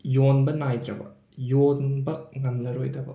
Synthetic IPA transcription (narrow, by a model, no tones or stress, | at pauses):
jonbɐnajd̪ɾɐbɐ̰ | jonbɐŋɐmnɐɾojdɾɐbɐ̰